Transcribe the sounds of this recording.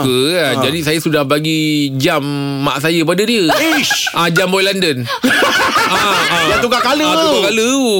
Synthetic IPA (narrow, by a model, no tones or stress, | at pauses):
kəad͡ʒadisajasudahbaɡid͡ʒamː | a̰ʔs̬ajəp̬adədiəʔad͡ʒambɔjlandən | aajat̪uɡakaləat̪uɡakalə